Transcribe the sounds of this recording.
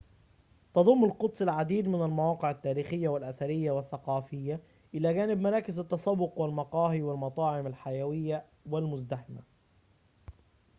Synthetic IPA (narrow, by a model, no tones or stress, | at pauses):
t̪ɑd̪ˤʊmːalqʊt̪ˤsˤɪlʕad̪iːd̪mɪnalmawɑːqɪʕat̪ːæːɾiːxɪjːawɪlʔaθaɾɪjːawɪθːɑqɑːfɪjːa | ʔɪlæːɡæːnɪbmɑɾˤɑːkɪzat̪ːɑsɑbːʊqwɪlmɑqɑːɦiwɪlmɑt̪ˤɑːʕɪmalħajawɪjːa | wɪlmʊzd̪aħɪma̰